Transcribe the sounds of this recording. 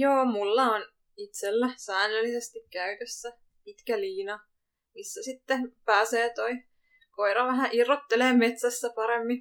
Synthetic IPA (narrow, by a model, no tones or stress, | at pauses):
joːmulːɑon | it̪selːæsæːnːelːisest̪ikkæyt̪øsːæ | it̪kæliːnɑ | misːæsit̪ːepæːseːt̪oi | koiɾɑʋæɦæʔirːot̪ːeleːmet̪sæsːæpɑɾemːi